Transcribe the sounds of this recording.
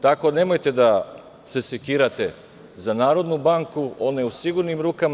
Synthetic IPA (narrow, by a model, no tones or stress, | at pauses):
t̪ako̞ne̞mo̞jt̪e̞d̪a | se̞sekiːɾat̪e̞ | zanaːɾo̞d̪nubaŋkuo̞ne̞usiɡuɾnimɾuːkam